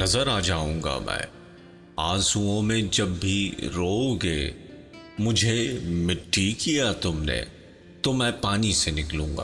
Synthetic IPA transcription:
nɐzəɾaːd͡ʒaːũːŋɡa̰mʔɛ̰̃ː | aːsũõmẽd͡ʒɐbːʱiɾoːɡeː | mʊd͡ʒʱemɪʈʰːikijat̪ʊmnḛ | t̪omɛ̃ːpaːnisenɪklũːŋɡa̰ː

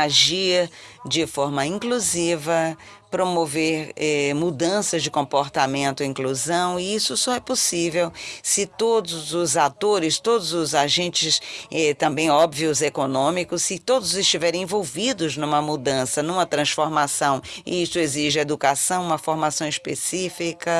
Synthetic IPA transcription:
aʒiɾd͡ʒɪfɔɾmɐĩkluzivɐ | pɾomoveɾɛmud̪ɐ̃sɐzd͡ʒɪkõpoɾt̪amẽnt̪ʊĩkluzɐ̃w̃ɪisʊsɔɛposivewsɪt̪od̪ʊzʊzat̪oɾɪst̪od̪ʊzʊzaʒẽnt͡ʃɪsɛt̪ɐ̃mbẽj̃ɔbviʊzekonõmikʊsːɪt̪od̪ʊzɪst͡ʃivɛɾẽj̃ẽvowvid̪ʊznũmɐmud̪ɐ̃sɐnũmɐt̪ɾɐ̃sfoɾmasɐ̃w̃ɪ̰isʊeziʒɪed̪ukasɐ̃w̃ũmɐfoɾmasɐ̃w̃ɪspḛsifikɐ

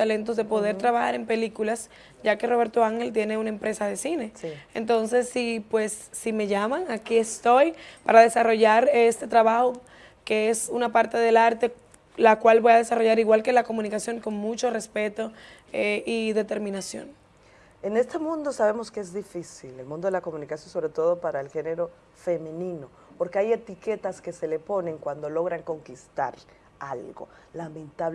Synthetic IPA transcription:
t̪alent̪o̞zðepo̞ð̞e̞ɾt̪ɾaβaxa̰ɾe̞mpe̞likulas | ɟ͡ʝake̞roβe̞ɾt̪oaŋhe̞lt̪je̞ne̞unaempɾe̞saðesine̞sent̪o̞nse̞sːipwe̞sːime̞ʝamaŋakie̞st̪o̞jpaɾaðe̞saro̞ʝaɾest̪e̞t̪ɾaβaxo | keesunapaɾt̪e̞ðe̞laɾt̪e̞ | lakwalβo̞jaðe̞saro̞ʝaɾiɣwalke̞lako̞mũnikasjo̞ŋko̞ŋmũt͡ʃo̞re̞spe̞t̪o̞ | eʔiðe̞t̪e̞ɾmĩnasjo̰n | ene̞st̪e̞mũnd̪osaβemoskeezðifisilelmũnd̪o̞ðelako̞mũnikasjo̞nso̞βɾe̞t̪o̞ðo̞paɾaelxe̞neɾo̞ | fe̞mẽnĩno̞ | poɾkeaje̞t̪ike̞t̪aske̞se̞le̞po̞nẽ̞ŋkwand̪o̞lo̞ɣɾaŋko̞ŋkist̪a̰ɾ | alɣo̞̰ | lamẽnt̪aβ

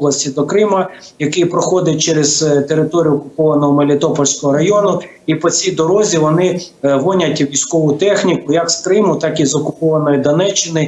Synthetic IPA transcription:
lˠɐsʲtʲid̪ɔkɾɪmɐ | jɐkɪjpɾɔxɔd̪ɪt̚ʲt͡ʃɛɾez̥t̪eɾɪt̪ɔɾʲijʊɔkʊpɔʋɐnɔɦɔmɐlʲɪt̪ɔpɔlʲsʲkɔɦɔɾɐjɔnʊ | ipɔt͡sʲijd̪ɔɾɔzʲiʋɔnɪ | ʋɔnʲɐtʲʋʲijsʲkɔʋʊt̪ɛxnʲikʊjɐkskɾɪmʊt̪ɑkizɔkʊpɔʋɐnɔjid̪ɔnɛt͡ʃːɪnɪ

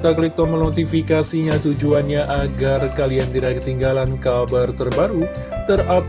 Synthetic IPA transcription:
t̪aklik̚t̪ɔmənot̪ifikasiɲat̪ud͡ʒuanɲaʔaɡarkaliant̪iɾakət̪iŋɡalankabart̪ərbaɾu | t̪ərap

